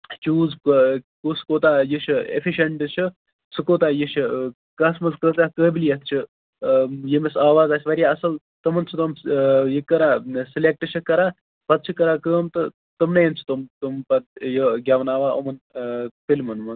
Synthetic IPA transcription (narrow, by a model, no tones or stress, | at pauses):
t͡ʃuːzkuskoːt̪aːjiʃʰiḛfʰiʃɐɳʈɨt͡ʃʰi | sɨkoːt̪aːjiʃʰ | kɐsmɐzkəːt̪aːkəːbilijɐt̪ʰt͡ʃʰi | jemisaːʋaːzaːsʰʲiʋɐɾʲjaːɐsɐl | t̪ɐmɐnt͡sʰut̪omjikɐɾaːsilek̚ʈɨt͡ʃʰikɐɾaː | pɐt̪̚t͡ʃʰikɐɾaːkəːmt̪ɨ | t̪ɨmnɐjɐnt͡ʃʰu̥t̪umt̪umpɐt̪̚jəɡʲɐʋnaːʋaːɐmɐnfilmɐnmɐn